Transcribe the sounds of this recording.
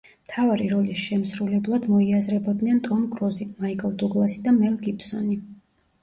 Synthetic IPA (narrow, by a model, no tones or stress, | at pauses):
mt̪ʰavaɾiɾɔlisʃɛmsɾulɛblˠad̪mɔiazɾɛbɔd̪nɛnt̪ʼɔnɡʰʼɾɔzimaikʼɛlˠd̪ɔɡlˠasid̪amɛlɡipʰsɔni